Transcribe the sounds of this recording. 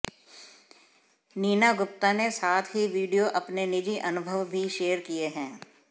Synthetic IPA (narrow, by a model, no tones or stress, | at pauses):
niːnaɡʊp̚t̪anesaːt̪ʰɦiʋiːɖijoʔɐpnenɪd͡ʒiʔɐnʊbʱəʋbʱiʃeːəɾkieɦɛ̃ː